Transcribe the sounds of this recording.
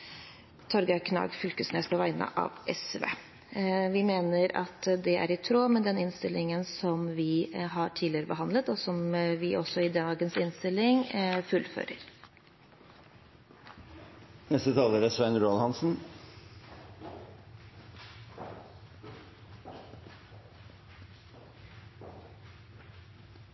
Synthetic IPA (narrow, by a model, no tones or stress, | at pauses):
t̪ʰɔɾɡɑkʰnɑ̰ːɡfʏlkəsnḛːspʰɔʋæɪnə̰ʔɑ̰ʋʔɛsʋḛː | ʋɪmeːnəɾɑ̰t̪d̪ɛæ̰ɾɪt̪ʰɾoːmɛd̪ɛnɪnst̪ɪlʔɪŋənsɔmʋɪɦɑʈʰiːd̪lɪəɾəbəɦɑnd̪lət̪ɔsɔmʋɪʔɔsɔɪd̪ɑɡənsɪnst̪ɪlːɪŋfʉlːfø̰ːɾəɾ | nɛst̪ət̪ʰɑːləɾəsʋæɪnɾuɑlhɑnsn̩